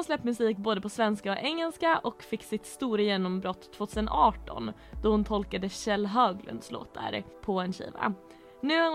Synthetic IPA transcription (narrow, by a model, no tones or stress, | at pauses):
slɛpːmɵsiːkboːd̪əpʰɔsvɛnskaɔɛŋːɛlskaʔɔkfɪkːsɪt̪st̪uːɾajeːnɔmbɾɔt̪ʰːv̥oːt̪ʰʉːsənʔɑːʈɔ̰nd̪̥ɔhʊnt̪ʰɔlkad̪əɕɛlːɦøːɡlɵ̰nd̪slo̰ːt̪ːa̰ɾpʰɔɛnɕḭːva̰ | nʉ̟ːa